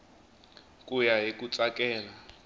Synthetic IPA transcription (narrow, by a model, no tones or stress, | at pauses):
kʼujaɦikʼut͡sʼakʼɛːla